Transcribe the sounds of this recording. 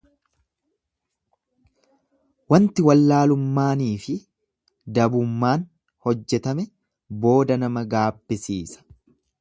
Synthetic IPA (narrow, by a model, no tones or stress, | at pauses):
wɐnt̪ɪwɐlːaːlʊmːaːniːfɪ | d̪ɐbʊmːaːn | hɔd͡ʒːɛt̪ɐmɛ | bo̞ːd̪ɐnɐmɐɡaːbːɪsiːsɐ̥